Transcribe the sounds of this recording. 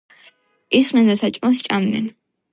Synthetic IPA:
isχnɛnd̪asat͡ʃʼmast͡ʃʼamnɛ̰n

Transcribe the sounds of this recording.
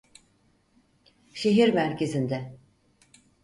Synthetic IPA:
ʃe̞ɦiɾmæɾcʰe̞zind̪ɛ

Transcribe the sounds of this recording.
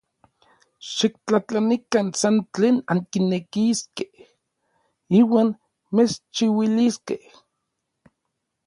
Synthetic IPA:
ʃik̚t͡ɬat͡ɬanikansant͡ɬeːnaŋkinekiskeh | iːwaːn | mest͡ʃiwiliskeh

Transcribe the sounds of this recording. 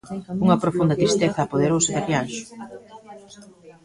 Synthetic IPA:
uŋɐpɾofund̪ɐt̪ɾist̪eθɐːpoðeɾowsit̪aljans

